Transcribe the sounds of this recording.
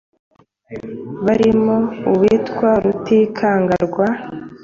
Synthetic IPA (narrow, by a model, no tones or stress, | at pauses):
βaɾimouwitkwaɾutikʰaːŋɡaɾɡwa